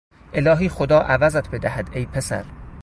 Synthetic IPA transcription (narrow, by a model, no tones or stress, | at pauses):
ʔe̞lɒːɦiːxod̪ɒːʔævæzæt̪ʰbe̞d̪æhæd̪ejpʰesæ̰ɾ